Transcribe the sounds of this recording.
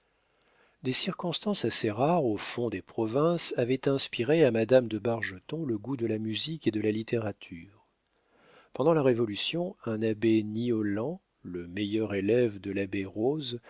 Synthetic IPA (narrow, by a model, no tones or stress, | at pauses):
d̪esiʁkɔ̃st̪ɑ̃saseʁaʁofɔ̃d̪epχɔvɛ̃savɛt̪ɛ̃spiʁeamad̪amd̪əbaʁʒət̪ɔ̃ləɡud̪əlamyziked̪əlalit̪eʁat̪ʰyːʁ | pɑ̃d̪ɑ̃laʁevɔlysjɔ̃ɛ̃nabeniɔlɑ̃ | ləmejœʁelɛvd̪əlabeʁoz